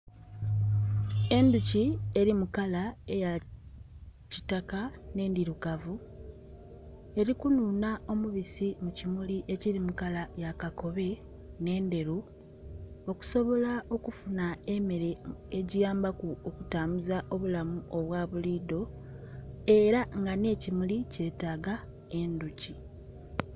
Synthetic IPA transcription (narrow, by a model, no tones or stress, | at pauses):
e̞nducie̞ɾimukalaeja | citakane̞ːndiɾukavu | e̞ɾikunuːnao̞muβisimucimuliʔe̞ciɾimukalajakako̞βe̞ | ne̞ːnde̞ɾu | o̞ku̥so̞βo̞laʔo̞kufunaeme̞ɾe̞eɟijaːmbakuokutaːmuzaʔo̞βulamuʔo̞βwaːβuliːdo̞ | e̞ɾaŋɡane̞ːcimulice̞ːtaɡa | e̞nduci